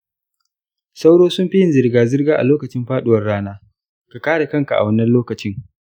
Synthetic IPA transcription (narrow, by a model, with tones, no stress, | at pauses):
sa˦wɽoː˦sʊ˦mɸi˦jɪ˦nzɪ˨rɡaː˨zɪ˦rɡaː˦ʔa̰˨loː˦kɐ˨t͡ʃɪ˦mɸaː˦ɗʊ˦wɐ˨rɽaː˦naː˦ | ka˨kaː˦ɽa˨kɐ˦ŋka˨ʔa̰˨wɐ˦nːɐ˦loː˦kɐ˨t͡ʃɪ˦ŋ